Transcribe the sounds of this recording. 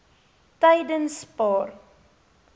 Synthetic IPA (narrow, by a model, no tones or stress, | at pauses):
tɛjdənspɑːr